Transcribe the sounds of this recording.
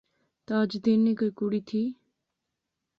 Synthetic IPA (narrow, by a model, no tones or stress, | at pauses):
t̪aːd͡ʒd̪eːnːikəjkuɽit̪ʰiː